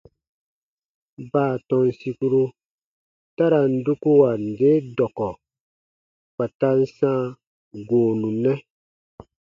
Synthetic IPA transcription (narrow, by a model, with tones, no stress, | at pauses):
baː˦˨tɔ̃˦nsi˧ku˦ɾu˦ | ta˦ɾa˨n̩˦du˦ku˦wa˨n̩˨de˦dɔ˨kɔ˨ | fa˨ta˦n̩˦sã˦ | ɡoː˨nũ˨nɛ˦